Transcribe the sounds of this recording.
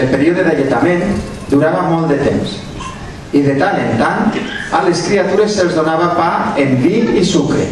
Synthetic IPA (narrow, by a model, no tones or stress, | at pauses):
elˠpeɾioðeðaʎet̪amẽn | d̪uɾaβamɔlˠt̪d̪et̪ems | iðet̪alent̪ant̪aleskɾiat̪uɾesːelˠzðonaβ̞apaembiɣisukɾḛ